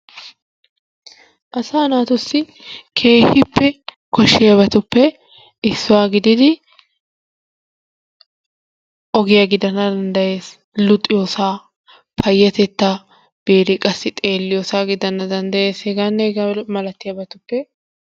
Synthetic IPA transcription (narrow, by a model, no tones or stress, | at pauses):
ʔɐsaːnaːt̪ʊsːɪ | kʰe̞ːhɪpːɛkɔʃːɪjɐβɐt̪ʊpːɛ | ɪsːʊwaːɡɪd̪ɪd̪ɪ | ʔɔɡɪjɐɡɪd̪ɐnːɐd̪ɐnd̪ɐje̞ːs | lʊt̪ʼːɪjoːsaː | pʰɐjːɛt̪ɛt̪ːa | b̥eːɾɪkʼɐsːɪt̪ʼe̞ːlːɪjoːsaːɡɪd̪ɐnːɐd̪ɐnd̪ɐjeːshɛɡaːnːɛɡmɐlɐt̪ːɪjɐbɐt̪ʊpːɛ